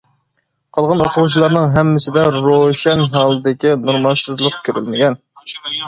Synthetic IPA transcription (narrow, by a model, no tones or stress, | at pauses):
qʰɑlˠʁɑnoqʰʊʁut͡ʃʰilˠɑɾnɨŋɦɛmːɪsɪd̪ɛɾoʃɛnɦɑːlˠɨd̪ɪkʲinuɾmɑnsɨzlˠəqkʲʰøɾy̰lmɪɡʲɛn